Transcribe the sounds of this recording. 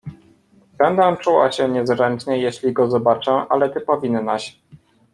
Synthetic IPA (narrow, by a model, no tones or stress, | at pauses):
b̥ɛnd̪ɛ̃t͡ʂuwa̰ɕɛɲɛzɾɛnt͡ʂɲɛjeɕlʲiɡɔzɔbat͡ʂɛʔalɛt̪ɘpɔvʲinnaɕ